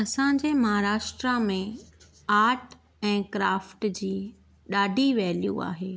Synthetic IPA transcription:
ɐsãɲ̆d͡ʑeːmɐɦaːɾaːʃʈɾamẽ | aːɾʈ | ɛ̃ːkɾaːfʈd͡ʑiː | ɗaːɖʱiʋɛːlijṵa̰ːɦeː

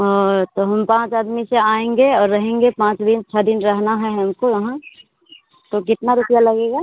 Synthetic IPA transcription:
ɔːt̪oɦɐmpãːt͡ʃaːd̪miseaːẽːŋɡeɔːɾːɐɦẽːŋɡepãːt͡ʃd̪ɪnt͡ʃʰəd̪ɪnɾɐɦnaɦɛɦɛɦɐmkojɐɦã | t̪okɪt̪naɾʊpjalɐɡeːɡaː

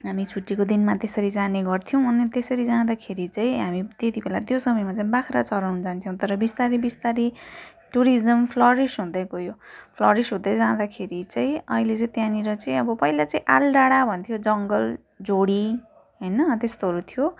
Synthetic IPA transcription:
ɦamit͡sʰuʈːikod̪inmat̪esʌɾid͡zaneɡʌrt̪ʰijʌw̃ʌnet̪esʌɾid͡zãd̪akʰeɾit͡saĩɦamit̪et̪ibelat̪josʌmʌjmat͡saĩbakʰɾat͡sʌɾawnʌd͡zant̪ʰjõw̃t̪ʌɾʌbist̪aɾibist̪aɾi | ʈuɾizʌmpʰlʌɾisɦũd̪ʌkojopʰlʌɾisɦũd̪ʌd͡zad̪akʰeɾit͡saĩʌɦilet͡saĩt̪janiɾʌt͡saĩʌbʌpʌilat͡sãĩʔalɖaɽabʱʌnt̪ʰijod͡zʌŋɡʌl | d͡zoɽi | ɦʌjnʌt̪est̪oɦʌɾut̪ʰijo

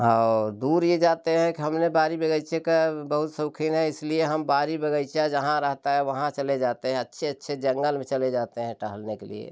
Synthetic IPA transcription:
ɦad̪uːɾjed͡ʒaːt̪eɦɛ̃kiɦɐmnebaːɾibəɡəɪt͡ʃekebəɦʊt̪səkʰinɦɛ̃ɪslieɦɐmbaːɾibəɡəɪt͡ʃijad͡ʒɐɦãɾəɦt̪aɦɛʋɐɦãt͡ʃəled͡ʒaːt̪eɦɛ̃ɐtːʃʰeətːʃʰed͡ʒə̃ŋɡəlmẽt͡ʃəled͡ʒaːt̪eɦɛ̃ʈəɦəlnekelḭḛ

